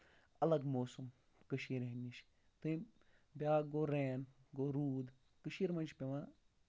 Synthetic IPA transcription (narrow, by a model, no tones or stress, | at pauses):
ɐlɐɡmoːsum | kəʃiːɾɦenːiʃ | t̪ɨĩbʲaːɡoːɾeːnɡoːɾuːd̪ | kəʃiːɾmɐnt͡ʃpeʋãː